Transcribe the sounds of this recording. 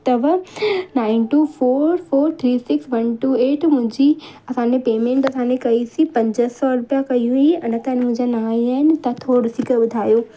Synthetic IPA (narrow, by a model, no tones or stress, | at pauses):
t̪ɐʋnaːɪnʈuːfoːɾfoːɾt̪ʰɾiːsɪksʋɐnʈuːeːʈmʊ̃ɦɪ̃ɲd͡ʑi | ɐsãːnẽpeːmẽːɳʈɐsãːnẽkɐisĩpɐ̃ɲd͡ʑəsɔɾʊpijakɐiũiɐnət̪ɐɪnmʊ̃ɦɪ̃ɲd͡ʑanaːĩaːɦɪnɪ̆t̪ɐt̪ʰoːɽsiːkəɓʊd̪ʱaːjoː